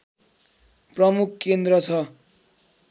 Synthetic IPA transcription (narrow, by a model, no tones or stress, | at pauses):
prʌmukʰkend̪rʌt͡sʰʌ